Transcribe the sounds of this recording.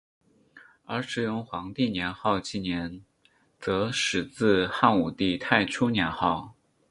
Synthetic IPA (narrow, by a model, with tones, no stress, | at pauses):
ə˞˧˥ʂɻ̩˨˩jʊ˥˩ŋxwɑ˧˥ŋt̪i˥˩njɛ˧˥nxɑ˥˧ʊt͡ɕi˥˩njɛ˧˥n | t͡sɤ˧˥ʂɻ̩˨˩t͡sɹ̩˥˧xa˥˩nu˨˩t̪i˥˧t̪ʰa˥˧˩ɪʈ͡ʂʰu˥njɛ˧˥nxɑ˥˩ʊ